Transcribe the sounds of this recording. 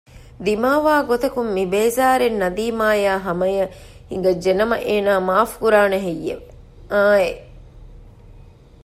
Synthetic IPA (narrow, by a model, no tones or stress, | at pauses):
d̪imaːʋaːɡot̪ɐkumːibeːzaːɾenːɐd̪iːmaːjaːɦɐmɐjɐ | hiŋɡɐd͡ʒenɐmɐʔeːnaːmaːfkuɾaːnɐɦejːeʋe | aːe